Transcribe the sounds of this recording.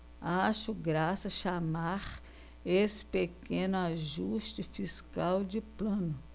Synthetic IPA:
aʃʊɡɾasɐʃamaɾ | esɪ̥pekẽnʊaʒuʃt͡ʃɪfiskawd͡ʒɪplɐ̃nʊ

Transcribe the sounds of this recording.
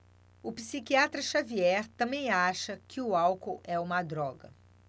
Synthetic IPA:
ʊpisikiat̪ɾɐʃaviɛɾt̪ɐ̃mbẽj̃aʃɐkʰɪʊawkowʔɛũmɐd̪ɾɔɡɐ

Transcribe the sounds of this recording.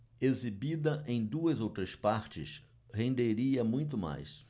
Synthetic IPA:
ezibid̪ɐẽj̃d̪uɐzowt̪ɾɐspaɾt͡ʃɪ̰s | hẽnd̪eɾiɐmũj̃t̪ʊma̰js

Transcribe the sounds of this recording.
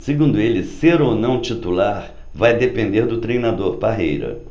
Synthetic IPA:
sɪɡũnd̪ʊelɪseɾonɐ̃w̃t͡ʃit̪ulaɾ | vajd̪epẽnd̪eɾd̪ʊt̪ɾejnad̪oɾpaɦḛjɾɐ̰

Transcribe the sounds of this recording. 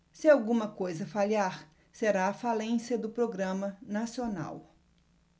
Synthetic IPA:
sɪawɡũmɐkojzɐfalaɾ | seɾaːfalẽsjɐd̪ʊpɾoɡɾɐ̃mɐnasiona̰w

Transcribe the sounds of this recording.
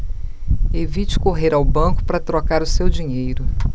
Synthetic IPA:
evit͡ʃɪ̥koɦeɾawbɐ̃kʊ̥pɾɐt̪ɾokaɾʊsewd͡ʒiɲejɾʊ

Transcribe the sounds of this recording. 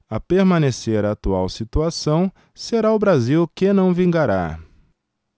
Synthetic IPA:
ɐpeɾmɐ̃neseɾɐːt̪uawsit̪uasɐ̃w̃ | seɾaʊbɾaziwkɪnɐ̃w̃vĩɡaɾa̰

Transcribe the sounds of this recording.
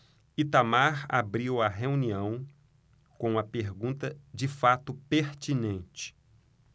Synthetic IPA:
it̪amaɾa̰bɾiwɐɦeũniɐ̃w̃ | kõw̃ɐpeɾɡũt̪ɐd͡ʒɪfat̪ʊpeɾt͡ʃinẽnt͡ʃɪ̥

